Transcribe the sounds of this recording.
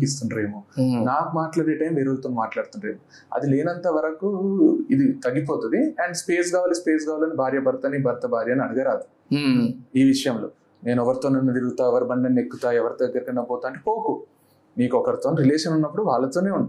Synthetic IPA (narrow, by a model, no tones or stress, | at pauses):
ist̪unɾe̞ːmunaːkumaːʈlaːɽeʈɐjmʋeːɾolt̪onumaːʈlaːɽt̪unɾe̞ːmu | ɐ̰d̪ileːnɐnt̪ɐʋɐɾɐkuid̪it̪ɐɡːip̬oːt̪und̪iɐɳɖspeːsɡaːʋaːlispeːs̬ɡaːʋaːlɐnibʱaːɾjɐbɐɾɐt̪ɐnibʱɐɾɐt̪ɐbʱaːɾjɐniɐɽuɡɐɾaːd̪u | iːʋiʂɐjɐmlo̞̰ː | ne̞ːnɔʋɐɾit̪oːnɐnːut̪iɾɡut̪aːɛʋɐɾibɐɳɖɐnekːut̪aːɛʋɐɾit̪oɐɡːɐɾikɐnɐboːt̪aːɐɳʈepoːku | niːkɔkɐɾit̪oːnɾileːʂɐnunːɐpːuɽuʋaːɭːɐt̪oːne̞ːuɳ